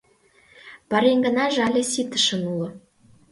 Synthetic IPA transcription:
pɑɾeŋɡə̆nɑʒɑlʲĕsit̪ə̥̆ʃə̆nulŏ

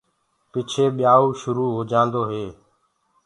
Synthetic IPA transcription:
pɪt͡ʃʰeːɓɪjaːuːʃʊɾuːɦoːd͡ʒãːnd̪oːɦeː

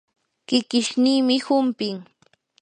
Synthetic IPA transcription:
kɪkɪʃniːmɪhʊmpɪŋ

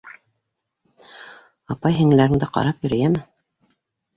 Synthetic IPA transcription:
ɑpɑjɦɘ̆ŋɘ̆læɾɘ̆ŋd̪ɘqɑ̰ɾɑpjɵ̆ɾɘ̆jæmɘ

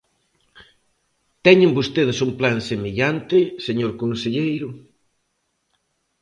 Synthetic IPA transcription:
t̪ɛɲɪ̃mbost̪eðɪsumplansemeʎant̪ɪseɲoɾkonseʎejɾʊ

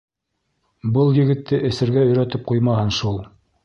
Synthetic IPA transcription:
bɤlˠjɘ̆ɡɘ̆t̪ːɘʔɘ̆sɘ̆ɾɡæɵ̆jɾæt̪ɘp̚qujmɑhɤnʃulˠ

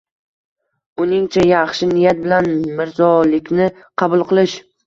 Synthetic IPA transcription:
ʊnɪŋt͡ʃʰajɑχʃɪnɪjat̪̚bɪlanmɪɾzɒlɪkʲnɪ | qʰɑbʊlˠqɨlˠɪʃ

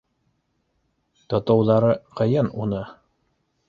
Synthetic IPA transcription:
t̪ŏt̪ŏwðɑɾɤqɤ̆jɤnunɤ

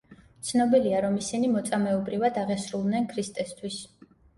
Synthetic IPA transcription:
t̪sʰnɔbiliaɾɔmisinimɔt̪sʼamɛɔbɾivad̪aʁɛsɾulˠd̪nɛnkʰɾist̪ʼɛst̪ʰwis

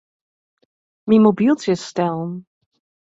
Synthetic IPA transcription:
mimobilˠtəstɛlˠn

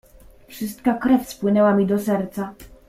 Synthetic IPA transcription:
fʂɘst̪kakɾɛfspwɘnɛwamʲid̪ɔsɛɾt̪sa

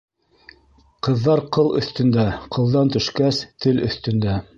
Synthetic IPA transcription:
qɤ̆ðːɑɾqɤlˠɵ̰̆θt̪ɵ̆nd̪æqʰɤ̆lˠd̪ɑnt̪ɵ̆ʃkæst̪ʰɘlɵ̰̆θt̪ɵ̆nd̪æ

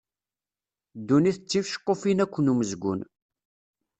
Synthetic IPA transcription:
d̪ːuniθət͡sːifʃə̥qːofinækʷːənuməzɡʷʊ̰n

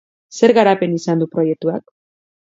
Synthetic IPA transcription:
se̞ɾɣaɾape̞nisand̪upɾo̞je̞k̚t̪uak

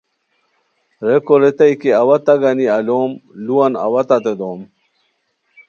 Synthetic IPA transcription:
ɾekoɾet̪ajkeawɐt̪ɐɡaniɐloːmluwɐna̰wɐt̪at̪ed̪oːm

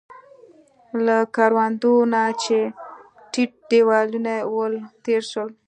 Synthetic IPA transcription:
lakaɾwand̪onat͡ʃe | ʈiʈ̚ɖewɑlunawəlt̪eɾʃəl

